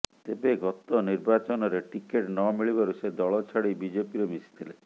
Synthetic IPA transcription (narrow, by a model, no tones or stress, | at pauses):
t̪ebeɡʱɔt̪ɔniɾbat͡ʃɔnɔɾeʈikeʈnɔmiɭibaɾused̪ɔɭɔt͡ʃʰɔɽibid͡ʒepiɾemisi̥t̪ʰile